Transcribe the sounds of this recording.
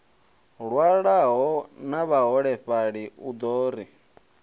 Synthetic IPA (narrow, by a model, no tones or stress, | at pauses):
ɺwaɺaɦɔnaβaɦɔɺɛɸaɺiud̪ɔːɾi